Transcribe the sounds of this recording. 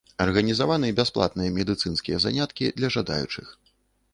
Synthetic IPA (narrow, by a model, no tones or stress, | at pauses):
ɐrɣɐnʲizavanɨjɛbʲasplˠa̰t̪̚nɨjɐmʲɛd̪ɨt̪sɨn̪skʲijɛza̰nʲat̪kʲid̪lʲɐʐad̪a̰jṵt͡ʂɨ̰x